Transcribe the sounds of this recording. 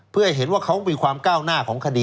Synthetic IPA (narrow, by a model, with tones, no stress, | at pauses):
pʰɯ˥˩ɐha˥˩jɦe˩˦nwaː˥˩kʰa˦˥wmiː˧kʰwaː˧mkaː˥˩wnaː˥˩kʰɔː˩˦ŋkʰa˧diː˧